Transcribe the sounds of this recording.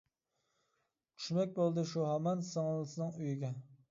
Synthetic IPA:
t͡ʃʰy̥ʃmɛk̚ʲbolˠd̪ɨʃuɦɑmɑnsɨŋlˠɨsɨnɨŋyjiɡʲɛ

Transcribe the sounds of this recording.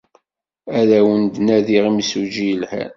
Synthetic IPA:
æðæwənd̪næðiʁimsud͡ʒijlhæ̰n

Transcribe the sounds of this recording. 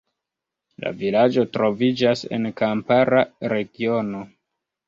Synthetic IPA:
la̰vilad͡ʒo̞tɾo̞vid͡ʒase̞̰nkampaɾaɾe̞ɡio̞no̞

